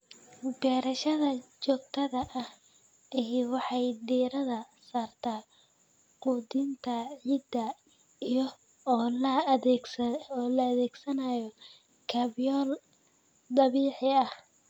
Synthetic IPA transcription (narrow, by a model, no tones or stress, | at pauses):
bɛːɾɐʃɐðɐt͡ʃɔːɡt̪ʰɐðɐʔɐh | ɪɦwɑħɑjd̪iːɾɐðɐ | saːrt̪ʰaː | quːd̪ɪnt̪ʰɐʕiːd̪ɐ | ijɔː | lɐ | lɐːðɛːɡsɐnajɔ | kʰɐbjɔːl | d̪ɐβiːħɪɐh